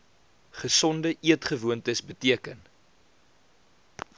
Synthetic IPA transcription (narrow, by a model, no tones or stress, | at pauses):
χəsɔndəʔiətχəvuəntəsbətiəkən